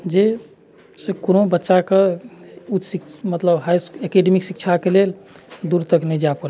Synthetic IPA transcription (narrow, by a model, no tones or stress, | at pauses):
d͡ʒe | sekonobətːʃake | utːsikmət̪ləbɦajsekeɖemiksik̚t͡ʃʰakeleld̪uɾt̪əknɛd͡ʒapuɾa